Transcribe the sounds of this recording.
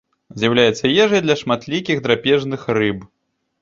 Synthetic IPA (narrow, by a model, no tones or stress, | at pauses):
zʲjɐwlʲajɛt̪sːɐjɛʐɐjd̪lʲɐʂmat̪lʲikʲixd̪ɾapʲɛʐnɨxrɨb